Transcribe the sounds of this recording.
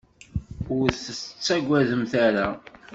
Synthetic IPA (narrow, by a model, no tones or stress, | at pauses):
ʊɾθət͡sːæɡʷæðəmθæɾa